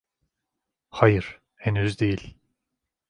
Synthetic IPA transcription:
hajɯɾ̥ | henyzd̪e̞jilʲ

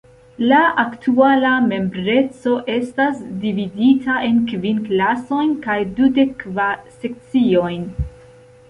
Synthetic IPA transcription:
laʔaktʰualame̞mbɾe̞t͡so̞ʔe̞stasdividitʰaʔe̞nkvinklaso̞jnkajdude̞kvase̞k̚t͡sio̞jn

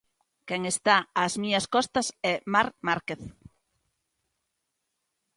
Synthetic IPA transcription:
kɛŋest̪aazmiɲɐskɔst̪ɐsɛmaɾmaɾkeθ

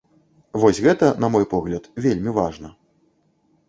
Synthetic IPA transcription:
vɔsʲɣɛt̪ɐnɐmɔjpɔɣlʲɐt̪vʲelʲmʲivaʐnɐ

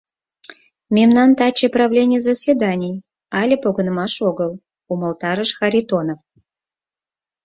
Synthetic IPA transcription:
mʲemnɑnt̪ɑt͡ɕepravlʲenʲɪjzɐsʲvʲed̪anʲɪj | ɑlʲepoɡə̆nmɑʃoɣəlˠ | uməlˠt̪ɑɾəʃxɑɾʲit̪onof

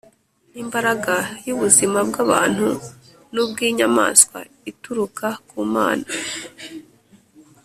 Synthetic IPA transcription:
n̥iːmbaɾaɡajuβuzimabɡaβa̰ːn̥hu | nubɡiːɲama̰ːskwa̰ | ituɾukʰakuːma̰ːna

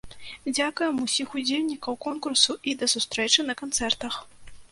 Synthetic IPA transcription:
d͡zʲakujɛmusʲixud͡zʲelʲnʲikɐwkɔnkursuʔid̪ɐsust̪ɾɛt͡ʂɨnɐkant̪sɛrt̪ɐx

